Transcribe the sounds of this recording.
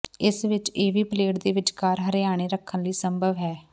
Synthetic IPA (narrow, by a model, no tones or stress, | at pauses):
ɪsʋɪt͡ʃeːʋiːpleːʈd̪eːʋɪt͡ʃkaːɾɦəɾejaːɽ̃eːɾəkʰːənləiːsəmbʱəʋɦɛː